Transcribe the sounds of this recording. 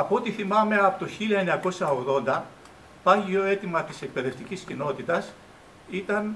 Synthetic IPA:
ɐpo̞t̪iθimɐme̞ɐpot̪o̞çiliɐeɲɐko̞sɐo̞ɣðo̞nd̪ɐ | pɐʝio̞e̞t̪imɐt̪ise̞k̚pe̞ðe̞ft̪iciscino̞t̪it̪ɐs | it̪ɐn

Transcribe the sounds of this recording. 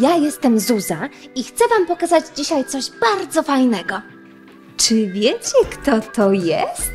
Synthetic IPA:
jajɛst̪ɛmzuzaixt̪sɛvampɔkazad͡ʑd͡ʑiɕajt̪sɔʑbaɾd̪zɔfajnɛɡɔ | t͡ʂɘvʲjɛt͡ɕɛkt̪ɔt̪ɔjɛ̰st̪

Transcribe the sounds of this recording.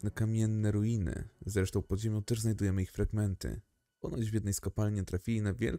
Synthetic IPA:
nɛkamʲjɛnːɛɾuinɘ̰zɾɛʂt̪ɔ̃w̃pɔʑemʲjɔ̃t̪ɛʐznajd̪ujɛmɘixfɾaɡmɛnt̪ɘ̰ | ɔ̰nɔd͡ʑd͡ʑvʲjɛd̪nɛjskɔpalɲɛt̪ɾafʲilʲinavʲjɛ̰l

